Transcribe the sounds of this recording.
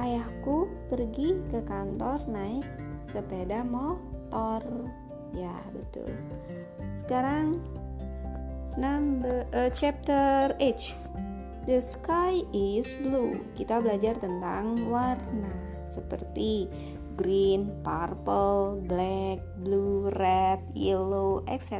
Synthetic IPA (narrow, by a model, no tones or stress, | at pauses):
ʔajahkupərɡikəkant̪ɔrnaɪk̚səpedamɔt̪ɔr | ja | bət̪ṵl | sə̥kaɾaŋ | nambəət͡ʃɛp̚t̪əret͡ʃ | dəskajɪsblukit̪abəlad͡ʒart̪ənt̪aŋwarna | səpə̰rt̪i | ɡɾinparpəlblɛk̚blurɛt̪̚jiloʔɛ̰ksɛ